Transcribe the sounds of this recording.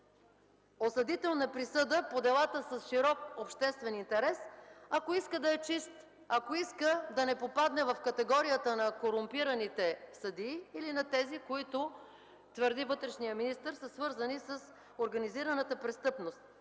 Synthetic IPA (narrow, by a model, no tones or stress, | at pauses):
osɐd̪it̪ɛlˠnɐpɾisɤd̪əpod̪ɛlˠat̪əsəsʃiɾɔkopʃt̪ɛst̪vɛnint̪ɛɾɛsɐkoiskəd̪ɐɛt͡ʃist̪ | ɐkoiskəd̪ɐnɛpopad̪nɛvɐfkɐt̪ɛɡɔɾijət̪ənɐkoɾʊmpiɾɐnit̪ɛsɐd̪iːlinɐt̪ɛzikoit̪ʊ | t̪vəɾd̪ivɤt̪ɾɛʃnijəminist̪əɾsɐsvɤɾzənisəs | oɾɡɐniziɾɐnət̪əpɾɛst̪ɤpnost̪